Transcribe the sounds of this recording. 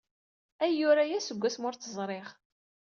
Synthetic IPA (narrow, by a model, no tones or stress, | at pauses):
æjːʊɾajæsəɡʷːæsmʊɾθəzˤɾˤeʁ